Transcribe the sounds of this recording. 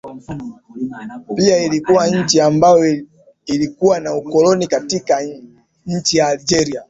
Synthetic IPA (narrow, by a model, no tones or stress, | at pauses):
piailikuwaɲ̩t͡ʃiambajɔ | ilikuwanaukɔlɔnikatika | ɲ̩t͡ʃijaːlid͡ʒɛɾia